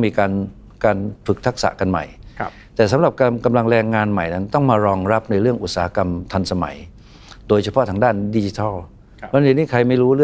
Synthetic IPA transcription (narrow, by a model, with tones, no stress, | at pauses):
miː˧kaː˧n | kaː˧npʰɯ˨˩k̚t̪ʰa˦˥k̚sa̰˨˩ka˧nma̰˨˩j | t̪ɛː˨˩s̬a˩˦mɾa˨˩p̚ka˧mka˧mla˧ŋɾɛː˧ŋːaː˧nma˨˩jna˦˥nt̪ɔ˥˩ŋmaː˧ɾɔː˧ŋɾa˦˥p̚na˧jɾɯ˥˩əŋʔu˨˩t̪̚saː˩˦a˦˥ka˧mt̪ʰa˧nsa˧ma̰˩˦j | doː˧jt͡ɕʰa˧pʰɔ˦˥t̪ʰa˧ŋdaː˥˩ndi˧t͡ɕi˦˥t̪ʰɔ˥˩lʰ | ɔ˦˥˧nːiː˥˩kʰɾa˧jma˥˩jɾuː˦˥ɾɯ˥˩